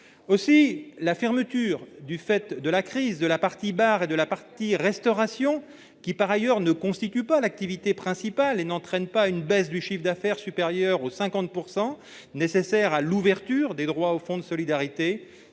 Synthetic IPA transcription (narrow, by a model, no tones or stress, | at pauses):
osilafɛʁmət̪yːʁd̪yfɛt̪d̪əlakχizd̪əlapaʁt̪ibaʁed̪əlapaʁt̪iʁɛst̪ɔʁasjɔ̃ | kʲipaʁajœʁnəkɔ̃st̪it̪ypalak̚t̪ivit̪epχɛ̃sipalenɑ̃t̪χɛnpaynbɛsd̪yʃifd̪afɛʁsypeʁjœʁosɛ̃kɑ̃t̪̚puʁsɑ̃ | nesesɛʁaluvɛʁt̪yːʁd̪ed̪ʁwaofɔ̃d̪əsɔlid̪aʁit̪e